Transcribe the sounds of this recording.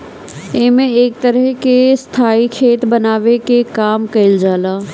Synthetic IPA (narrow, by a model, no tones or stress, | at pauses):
eɦmẽeːk̚t̪əɾəɦkest̪ʰaːikʰeːt̪bɐnaːʋekekaːmkɐɪld͡ʒaːlaː